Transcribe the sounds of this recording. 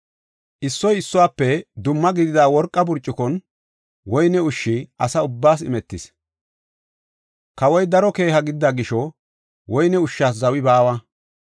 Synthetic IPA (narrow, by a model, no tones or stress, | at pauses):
ʔɪsːɔjɪsːʊwaːpːɛd̪ʊmːɐɡɪd̪ɪd̪aːwɔɾkʼːɐbʊɾt͡ʃʼːɪkɔn | wɔjnɛʊʃːɪɐsɐʊbːaːsɪ̰mɛt̪ːɪs | kɐwɔjd̪ɐɾɔke̞ːhɐɡɪd̪ɪd̪aɡɪʃɔ | wɔjnɛʊʃːaːs̬zɐwɪbaːwɐ